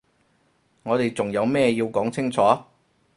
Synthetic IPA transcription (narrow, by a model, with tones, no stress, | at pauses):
ŋɔː˨˧t̪e˨jt͡sʊ˨˩ŋjɐ˨˧wmɛː˥˧jiː˧wkɔː˨˥ŋt͡sʰɪ˥ŋt͡sʰɔː˨˥